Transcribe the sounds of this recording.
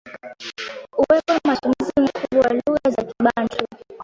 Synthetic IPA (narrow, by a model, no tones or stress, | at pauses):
uwɛpɔnamatumizim̩kʰuɓɔwaluɣazakiɓand͡ʒu